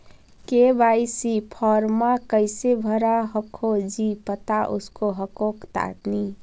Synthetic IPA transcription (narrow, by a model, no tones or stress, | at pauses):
kebajsipʰɔɾmakəɪsebʱəɾaɦəkʰod͡ʒipət̪aʔʊ̰skoɦəkokt̪a̰ːt̪ni